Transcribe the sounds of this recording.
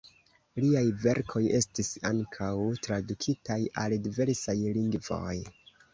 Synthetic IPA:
liajve̞ɾkʰo̞je̞stisa̰ŋkʰawtɾadukʰitajaldive̞ɾsajliŋɡvo̞̰j

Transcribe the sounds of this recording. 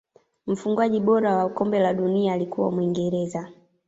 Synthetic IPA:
m̩fuŋɡwaʄiɓɔɾawakɔmbɛlaɗuniaːlikuwa̰mwiŋɡɛɾɛza

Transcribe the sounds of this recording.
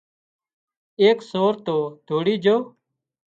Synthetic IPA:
eːksoːɾt̪oːd̪ʱoːɽiːd͡ʒʱoː

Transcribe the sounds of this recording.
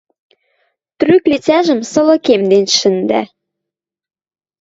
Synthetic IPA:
t̪ryklet͡sæʒə̆msɤ̆lɤ̆kemd̪enʃə̆nd̪æ̰

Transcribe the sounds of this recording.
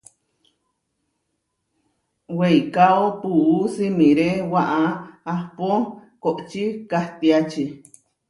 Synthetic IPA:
weikaopuʔusimĩɾewaʔaapokoʔt͡ʃikaht̪iat͡ʃi

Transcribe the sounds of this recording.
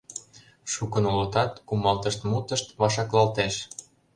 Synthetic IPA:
ʃukənolot̪ɑt̪kumɑlt̪əʃt̪mut̪əʃt̪βɑʃɑklɑlt̪eʃ

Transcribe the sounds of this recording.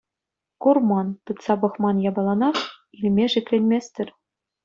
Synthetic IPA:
kurmɑnt̪ɯt̪sɑbɤ̆χmɑnjɑbɑlˠɑnɑχilʲmʲeʐɘ̆kʲlʲenʲmʲesʲt̪ʲɘ̆rʲ

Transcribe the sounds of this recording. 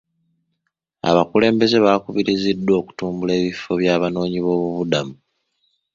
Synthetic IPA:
a̰βakule̞ːmbe̞ze̞βakuβiɾizidːwo̞ːku̥tuːmbule̞ːβifo̞βjaːβano̞ːɲiβo̞ːβuβudamu

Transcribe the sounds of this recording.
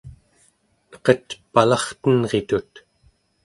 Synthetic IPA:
nʌ̥qʌt̪palɑχt̪ənʁet̪ut̪

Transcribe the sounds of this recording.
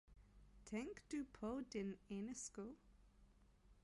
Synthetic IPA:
tʰɛ̃ŋkd̥upʰodɪnenɛsko

